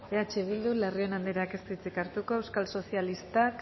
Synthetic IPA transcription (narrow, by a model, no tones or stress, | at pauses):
eat͡ʃeβ̞ild̪ulerio̞nand̪eɾake̞st̪it͡sikaɾt̪uko̞ewskalso̞sijalist̪ak